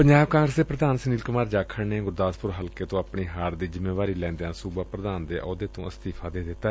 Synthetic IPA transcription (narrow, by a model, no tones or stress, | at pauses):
pəɲd͡ʒaːbkãːŋɡɾəsd̪eːpɾəd̪aːnsɪniːlkʊmaːɾd͡ʒaːkʰəɽneːɡʊɾd̪aːspʊɾɦəlkeːt̪õːaːpɳiːɦaːɾd̪iːzɪmeːʋaːɾiːlɛ̃ːnd̪eãːsuːbaːpɾəd̪aːnd̪eːʔɔːd̪eːt̪õːəst̪iːpʰaːd̪eːd̪ɪt̪ːaː